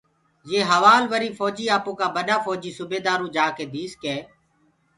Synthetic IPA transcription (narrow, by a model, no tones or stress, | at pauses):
jeːɦəʋaːlʋəɾiːfɔːd͡ʒiːaːpõːkãːbəɗaːfɔːd͡ʒiːsʊbeːd̪aːɾũːd͡ʒaːkeːd̪iːskeː